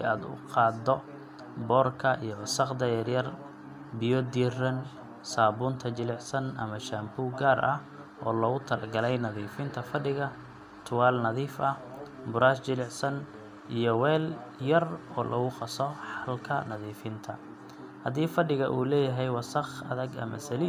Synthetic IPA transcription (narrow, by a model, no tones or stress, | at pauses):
aːd̪ʊ̰qɑːd̪ɔ | bɔːrkʰɐʔijɔwɑsɑqd̪ɐjɐrjɐr | bɪjɔd̪iːrɐn | saːβuːnt̪ʰɐt͡ʃɪlɪʕsɐnʔɐ̰mɐʃambuːɡaːɾʔɐh | ʔɔːlɔɣʊt̪ʰɐlɐɡɐlɛjnɐðiːfɪnt̪ʰɐfɐɖɪɣɐ | t̪ʰʊwaːlnɐðiːfɐh | bʊɾaːst͡ʃɪlɪʕsɐn | ʔijɔwɛːljɐrɔːlʔɔ̰ɣʊqɑsɔħɑlkʰɐnɐðiːfɪnt̪ʰɐ | hɐdiːfɐɖɪɣɐʔuːlɛːjɐɦɛjwɑsɐχɐ̰ðɐɡɐ̰mɐ̰sɐliː